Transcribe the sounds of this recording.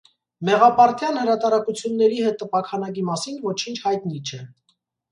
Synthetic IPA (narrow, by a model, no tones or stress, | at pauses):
mɛʁɑpɑɾt̪ʰjɑnhəɾɑt̪ɑɾɑkut͡sʰjunːɛɾiɦɛt̪̚ːəpɑkʰɑnɑk̬imɑsinvɔt͡ʃʰint͡ʃʰhɑjt̪nit͡ʃʰɛ